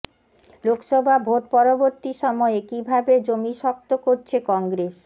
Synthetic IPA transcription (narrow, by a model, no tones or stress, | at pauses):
lokʃɔbʱabʱot̪̚pɔɾoboɾt̪iʃɔmɔekibʱabed͡ʑomiʃɔk̚t̪okoɾt͡ɕʰekɔŋɡɾes